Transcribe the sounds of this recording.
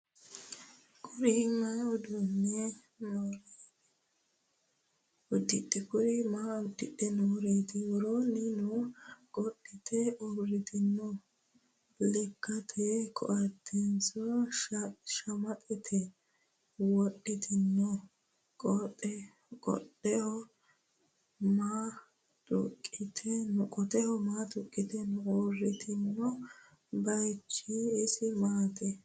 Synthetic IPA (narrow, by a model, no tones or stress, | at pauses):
kʰʼʊɾɪŋːɐnʊd̪ʊnːɛ | noːɾe | ʊd̪ːɪtʼːɛkʊɾɪmaːʊd̪ːɪᶑːɛnoːɾeːt̪ɪwɔɾoːnɪnɔkʼɔɗːɪt̪ʰɛɔbɾɪt̪ɪnːɔ | lɪkːɐt̪ʰɛkʰɔ̰ʔɐt̪ʰːɛnsɔ | ʃɐmɐt̪ʼɪt̪ʰɛ | wɔɗːɪt̪ʰɪnːɔ | kʼɔtʼːɛ | kʼɔ̰ɗɛhɔ | maː | t̪ʼʊ̰kʼːɪt̪ʰɛnkʼɔt̪ɛhɔmaːt̪ʼʊkʼːɪt̪ɛnɔbɾɪt̪ʰɪnːɔ | bɐjt͡ʃːiːsɪmaːt̪ʰɛ